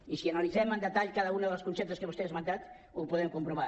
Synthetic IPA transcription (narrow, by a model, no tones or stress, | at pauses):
isiənalizɛmənd̪ət̪aʎkaðəunəðəlˠskunsep̚t̪əskəβust̪eezmənt̪at̪ | upuðɛmkumpɾuβa